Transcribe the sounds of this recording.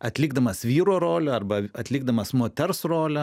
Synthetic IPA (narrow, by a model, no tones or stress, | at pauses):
ɐt̪ʲlʲɪɡd̪ɐmɐsʋʲiːɾoːɾoːlʲɛɐrbɐɐt̪ʲlʲɪːɡ̚d̪ɐmɐsmoːt̪ʲɛrsroːlʲɛ